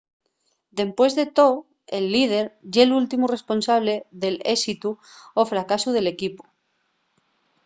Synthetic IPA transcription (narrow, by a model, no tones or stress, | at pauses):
d̪e̞mpwe̞zðe̞t̪o̞ | elːið̞e̞ɾʝelult̪imure̞spo̞nsaβ̞le̞ðe̞lesit̪uofɾakasuð̞e̞le̞kipu̥